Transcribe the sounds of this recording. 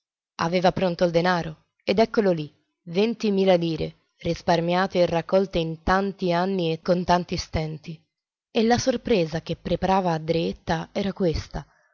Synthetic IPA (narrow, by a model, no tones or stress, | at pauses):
a̰veːvapɾont̪oild̪enaːɾo | ed̪ɛkːololi | vent̪imiːlaliːɾḛ | risparmjaːt̪eːrːakːɔlt̪eint̪ant̪ianːiekːont̪ant̪ist̪ɛnt̪i | elasorpɾeːzak̟epːɾepaɾaːvaːd̪ɾeet̪ːaɛːɾakwest̪a